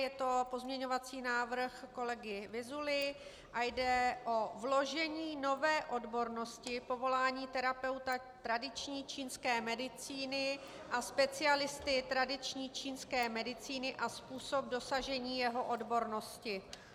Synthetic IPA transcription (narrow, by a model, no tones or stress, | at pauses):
jɛt̪o̞po̞zmɲɛɲo̞vat͡siːnaːvr̩xko̞lɛɡɪvɪzulɪ | ʔajdɛʔo̞vlo̞ʒɛɲiːno̞vɛːʔo̞dbo̞ɾno̞scɪpo̞vo̞laːɲiːt̪ɛɾapɛwt̪a | t̪ɾadɪt͡ʃɲiːt͡ʃiːnskɛːmɛdɪt͡siːnɪ | ʔaspɛt͡sɪalɪst̪ɪt̪ɾadɪt͡ʃɲiːt͡ʃiːnskɛːmɛdɪt͡siːnɪʔaspuːso̞b̚do̞saʒɛɲiːjɛɦo̞ʔo̞dbo̞ɾno̞scɪ